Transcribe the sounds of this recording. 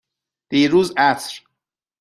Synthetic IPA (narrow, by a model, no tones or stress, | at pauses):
d̪̥iːɾuːzæsɾ